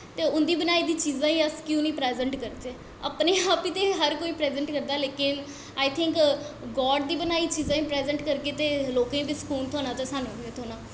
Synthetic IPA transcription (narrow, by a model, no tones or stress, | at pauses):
t̪eːʊnd̪iːbənaːiːd̪iːt͡ʃiːzãːĩːəskjũnĩːpɾɛːzə̃ɳʈkəɾt̪eː | ə̰pneːaːpiːt̪eːɦəɾkoːiːpɾɛːzəɳʈkəɾd̪aːleːkɪn | aːjt̪ʰɪ̃ŋkɡɔːɖd̪iːbənaːiːt͡ʃiːzãːĩːpɾɛːzəɳʈkəɾkeːt̪eːloːkẽːbiskuːlt̪ʰoːnãːt̪asaːnõːɡioːt̪ʰoːnãː